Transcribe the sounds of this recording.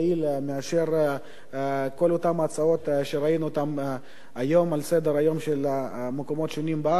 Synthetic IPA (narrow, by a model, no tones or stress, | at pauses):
ilmeaʃeɾ | ko̞lot̪amaːt͡sao̞t̪ʃeɾainuot̪am | ajo̞malsed̪eɾajo̞mʃelamekomo̞t̪ʃonimba